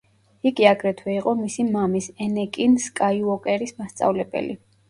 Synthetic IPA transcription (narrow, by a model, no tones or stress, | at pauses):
iɡiaɡɾɛt̪ʰwɛiqʼɔmisimamisɛnɛkʼinskʼaiɔkʼɛɾismast̪sʼa̰vlɛbɛ̰lḭ